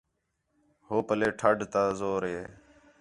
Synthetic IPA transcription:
hoːpəleːʈʰəɖt̪aːzoːɾɦeː

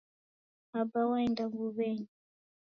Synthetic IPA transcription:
abawaɛndaŋɡuβɛɲi

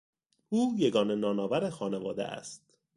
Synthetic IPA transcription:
ʔuːjeɡɒːne̞nɒːnɒːvæɾexɒːnevɒːd̪ḛʔæ̰st̪

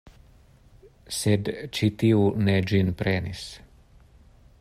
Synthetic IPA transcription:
sɛd̪t͡ʃit̪iunɛd͡ʒinpɾɛnis

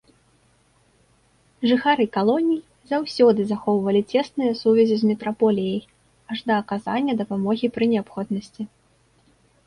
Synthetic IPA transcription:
ʐɨxaɾɨkalˠɔnʲij | zawsʲɔd̪ɨzaxɔwvɐlʲit͡sʲɛsnɨjɐsuvʲɛzʲizmʲɛt̪ɾapɔlʲijɐj | aʐd̪ɐːkaza̰nʲːɐd̪ɐpamɔɣʲipɾɨnʲɛapxɔd̪nɐsʲt͡sʲi

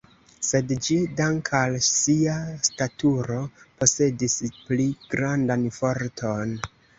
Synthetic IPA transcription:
se̞dd͡ʒidaŋkʰalsiastatuɾo̞po̞se̞displiɡ̥ɾandanfo̞ɾtʰo̞n

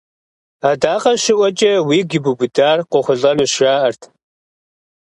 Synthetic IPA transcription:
aːdaːqɐʃɪʔʷɔt͡ʃʼɐwiːɡɪbubʊdaːrqʷɔχʷʊɮɐnɨʃraːʔɐrtʰ

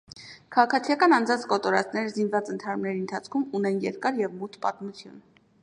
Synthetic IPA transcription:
kʰɑʁɑkʰɑt͡sʰijɑkɑnɑnd͡zɑnt͡skɔt̪ɔɾɑt͡sʰnɛɾəzinvɑt͡sənt̪ʰɑɾumnɛɾiənt̪ʰɑt͡sʰkʰumunɛnjɛ̰ɾkɑɾjɛvmut̪pɑ̰t̪mut͡sʰjṵn

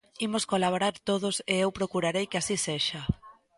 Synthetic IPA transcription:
imoskolaβoɾaɾt̪oð̞ʊseewpɾokuɾaɾejkɪasiseʃa

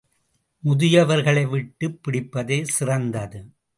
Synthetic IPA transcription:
mʊðɪjɐʋɐɾɣɐɭɐɪʋɪʈːɯpːɪɽɪpːɐðeːsɪrɐnd̪ɐðɯ

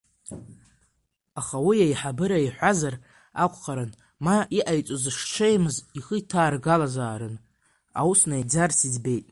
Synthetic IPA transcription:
aχawijajħabɨɾaiħʷazar | akʷʰʼqaɾɨn | maiʔajt͡sʷʼozɨʂʈ͡ʂʷʰejmɨziχəitʰaːrɡalazaːɾɨn | a̰wusnajd͡zarsizbe̞jtʼ

